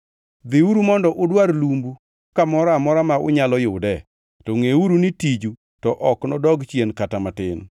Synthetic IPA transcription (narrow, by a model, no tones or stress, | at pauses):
d̪ɪuɾumɔndɔʔʊdwaɾlumbu | kamɔɾamɔɾamaʊ̰ɲalɔjʊdɛ | tɔŋeuɾunitid͡ʒu | tɔʔɔknɔdɔɡt͡ʃjenkatamatɪn